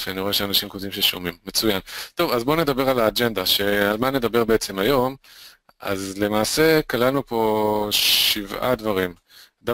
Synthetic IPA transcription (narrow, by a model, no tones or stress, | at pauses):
faniʁo̞e̞ʃeanaʃimkot̪imʃeʃo̰mimːet͡sujant̪o̞vazbo̞ne̞d̪abe̞ʁalaːd͡ʒe̞nd̪aʃe̞almane̞d̪abe̞ʁbeet͡se̞majo̞m | ʔa̰zle̞maːse̞kalalnupo̞ | ivʔa̰d̪vaʁim | d̪a